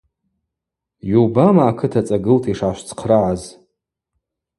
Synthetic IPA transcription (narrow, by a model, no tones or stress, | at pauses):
jubamaːkʰɨtʰat͡sʼaɡɨltʰiʂaʃʷt͡sʰqʰraʕaz